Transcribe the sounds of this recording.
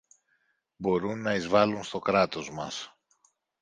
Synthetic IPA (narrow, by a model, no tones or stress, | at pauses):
bo̞ɾunːɐizvɐlunst̪o̞kɾɐt̪o̞zmɐ̰s